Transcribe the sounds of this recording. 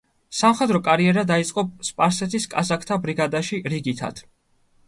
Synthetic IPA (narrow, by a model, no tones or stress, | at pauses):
samχɛd̪ɾɔkʼaɾiɛɾad̪ait̪sʼqʼɔspʼaɾsɛt̪ʰiskʼazakʰt̪ʰabɾiɡad̪aʃiɾiɡit̪ʰa̰t̪ʰ